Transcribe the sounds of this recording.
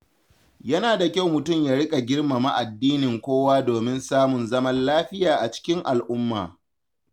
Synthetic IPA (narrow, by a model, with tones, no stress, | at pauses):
jɐ˦naː˨da˨kʲa˦˨wmʊ˨tʊ˦˨mjaː˦ɽɪ˦kʼa˨ɡʲɪ˦rma˨ma˦˨ʔa˨dːiː˦nɪ˨ŋkʷoː˦waː˦doː˨mɪ˦nsaː˦mʊ˨nzɐ˦mɐ˦nlaː˦ɸɪ˦jaː˨ʔa˨t͡ʃɪ̥˦kʲɪ˦ŋʔa˨lʔʊ˦mːa̰ː˨